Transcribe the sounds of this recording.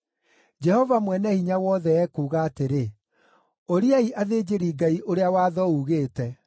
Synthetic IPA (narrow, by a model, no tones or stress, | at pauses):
d͡ʒɛhɔvamwɛnɛhiɲawɔðɛɛkuːɣaːteɾe | oɾiaiʔaðeːd͡ʑeɾiːɡaiʔoɾeawaːðɔuɣeːtɛ